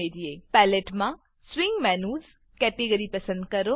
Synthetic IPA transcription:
ediepɛːleʈmã | swĩŋɡmɛːnuːz | kɛʈeɡəɾipɐsə̃nd̪̚kɐɾo

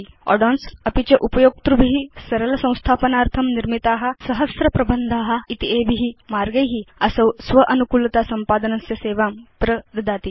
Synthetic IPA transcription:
ɔ̰ɖɔːnsɐpit͡ɕeʔupɐjoːk̚t̪ɾubʱiɦisɐɾɐlɐsɐ̃w̃st̪ʰaːpɐnaːɾt̪ʰɐmniɾmit̪aːɦɐ̆sɐɦɐsɾɐpɾɐbənd̪ʱaːɦɐ̆it̪iebʱiɦimaːɾɡɐjɦiɐsɐwsʋɐʔɐnukuːlɐt̪aːsɐmpaːd̪ɐnɐsjɐseːʋaːmpɾɐd̪ɐd̪aːt̪i

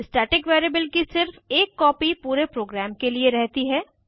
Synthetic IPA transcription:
ɪsʈɛːʈɪkʋeːɾeːbəlkisɪɾfeːkːɔːpipuːɾepɾoːɡɾɛːmkelieɾɛɦt̪iɦɛː

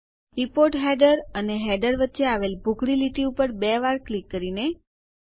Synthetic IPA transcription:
ɾipoɾʈɦɛɖəɾəneɦɛɖəɾʋətːʃeaʋelbʱukɽiliʈiupəɾbeʋaɾklikːəɾine

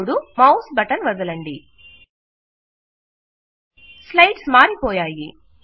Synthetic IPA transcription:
ɽumɐwsbɐʈɐnʋɐd̪ɐlɐɳɖi | slɐjʈsmaːɾipɔːjaːjḭ

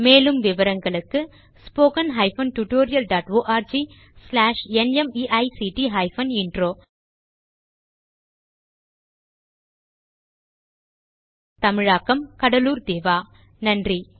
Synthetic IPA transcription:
meːlɯmʋɪʋɐɾɐŋɡɐɭɯkːɯ | spoːkɐnɦɐɪfɐnʈuʈoːɾɪjɐlɖaːʈoːʔaːɾd͡ʒi | slaːʂɛnɛmiːʔɐɪsiːʈiɦɐɪfɐnɪɳɖɾoː | t̪ɐmɪɻaːkːɐmkɐɽɐluːɾd̪eːʋaː | nɐndri

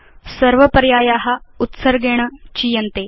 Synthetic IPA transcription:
səɾʋəpəɾjajaɦaut̪səɾɡeɽ̃ət͡ɕijənt̪e

